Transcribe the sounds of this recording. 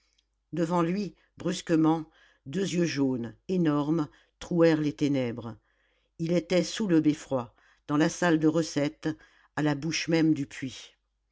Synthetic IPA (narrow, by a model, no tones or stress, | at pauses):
d̪əvɑ̃lɥi | bʁyskəmɑ̃ | d̪øzjøʒonenɔʁm | t̪χuɛʁlet̪enɛbʁ | ilet̪ɛsuləbefχwa | d̪̥ɑ̃lasald̪əʁəsɛt̪ | alabuʃmɛmd̪ypɥi